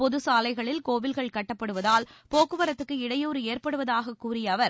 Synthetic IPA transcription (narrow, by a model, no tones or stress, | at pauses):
pɔðɯsaːlɐɪɣɐɭɪlkoːʋɪlɣɐɭkɐʈːɐpːɐɽɯʋɐðaːlpoːkɯʋɐɾɐt̪ːɯkːɯɪɽɐjoːɾɯeːɾpɐɽɯʋɐðaːɣɐkːuːɾɪjɐːʋɐɾ